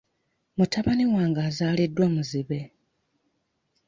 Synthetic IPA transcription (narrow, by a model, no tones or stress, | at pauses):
mutaβaniwaːŋɡaːzaːlidːwamuziβe̞